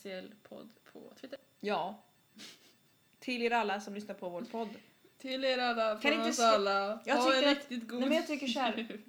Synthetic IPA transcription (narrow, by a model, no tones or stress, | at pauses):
sɪɛlːpʰɔ̰d̪pʰɔ̰t̪ʰːɪt̪ːə | jɑː | t̪ʰɪleːɾalːasɔmlʏsnaɾpʰɔvoːpʰɔd̪ː | t̪ʰɪleːɾalːakʰanɪ̃nəsalːajɑɡ̪ʰʏːɾɪkt̪ɪt̪ɡuːɛmɛnjat̪ʰʏkːəʂhæɾ